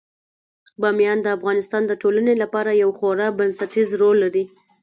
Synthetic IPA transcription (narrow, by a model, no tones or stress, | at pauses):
bɑmjɑnd̪əafɣɑnɪst̪ɑnd̪əʈolənelapɑɾajawxoɾɑbansaʈizɾolːaɾi